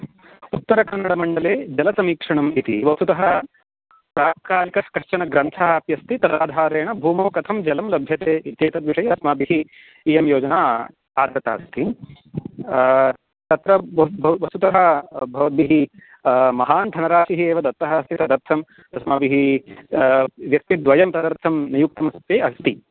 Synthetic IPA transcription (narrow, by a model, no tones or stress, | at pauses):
ut̪ːɐɾɐkɐnːɐɽɐmɐɳɖɐleːd͡ʒɐlɐsɐmiːkʂɐɳɐmit̪ḭʋɐst̪ut̪ɐɦɐ | pɾaːkaːlikɐkɐʂt͡ʃɐnɐɡɾɐnt̪ʰaaːpjɐst̪it̪ɐd̪aːd̪ʱaːɾeːɳɐbʱuːmoːkɐt̪ʰɐmd͡ʒɐlɐmlɐbʱjɐt̪eːit̪jeːt̪ɐd̪ʋiʂɐjɐɐsmaːbiɦiː | jɐmjoːd͡ʒɐnaː | aːd̪ɾɐt̪a̰ːst̪ʰi | t̪ɐt̪ɾɐbʋɐst̪ut̪ɐɦɐbʱɐʋɐt̪̚biɦi | mɐɦaːnd̪ʱɐnɐɾaːʂiɦieːʋɐd̪ɐt̪ɾɐɦɐːst̪ʰit̪ɐd̪ɐɾt̪ʰɐm | ɐsmabiɦi | ʋjɐk̚t̪id̪ʋɐjɐmt̪ɐd̪ɐɾt̪ʰɐmnijuk̚t̪ɐmɐst̪ʋeːɐst̪i